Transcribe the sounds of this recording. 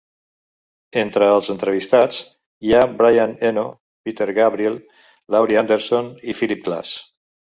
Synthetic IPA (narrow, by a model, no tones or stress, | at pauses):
ent̪ɾəːlˠzənt̪ɾəβ̞ist̪at͡s | jabɾajaneno | pit̪eɾɣaβɾielˠ | lawɾiand̪eɾsonifilip̚kla̰s